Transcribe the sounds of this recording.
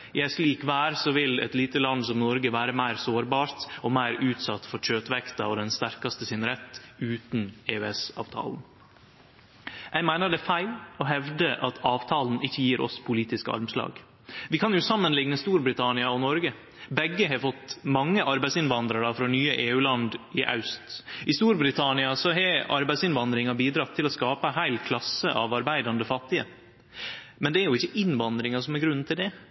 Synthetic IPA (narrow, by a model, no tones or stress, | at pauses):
jææʂliːkʋæːɾsɔʋɪlɛ̰t̪liːt̪əlɑnsɔmnɔɾɡəʋæːɾəmæɪɾsoːɾbɑːɾt̪ɔmæɪɾʉːt̪sɑt̪ːfɔɾɕøːt̪ʋɛkt̪ɑɔd̪ɛnst̪æɾkɑst̪əsɪnɾɛt̪ːʉːt̪n̩eːøɛsɑ̰ːʋt̪ʰɑ̰ːln̩ | jʔæɪmæɪnəɖɛfæɪlɔɦɛʋd̪əʔɑt̪ʰɑːʋt̪ʰɑːln̩ɪçːəjiːɾʔɔ̰spʰʊliːt̪ɪskəɑ̰ɾmslɑ̰ːɡ | ʋɪkʰɑnjʊsɑmːənlɪŋnəst̪uːɾbɾɪt̪ʰɑnɪɑɔnɔɾɡə | bɛɡːəɦɛɾfɔt̪ːmɑŋːəʔɑɾbæɪsɪnʋɑnd̪ɾəɖɑfɾɔnyːəʔeːʉːlɑnd̪ɪʔɑ̰ʉst̪ʔɪst̪uːɾbɾɪt̪ʰɑnɪɑsɔɦɛɑ̰ɾbæɪsɪnʋɑnd̪ɾɪŋɑbiːd̪ɾɑt̪ʰːɪlɔskɑːpəhæɪlkʰlɑsːəʔɑ̰ʋɑɾbæɪd̪ɑnd̪əfɑt̪ːɪə̰ | mɛnd̪ɛæɾjʊɪçːəʔɪnʋɑnd̪ɾɪŋɑsɔmɛɾɡɾʉn̩ːt̪ʰɪld̪ɛ